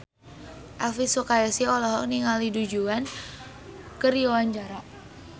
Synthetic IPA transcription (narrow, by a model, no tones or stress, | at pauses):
ʔalfisukajasiɔlɔɦɔkniŋalidud͡ʒuan | kəɾiowaɲd͡ʒaɾaʔ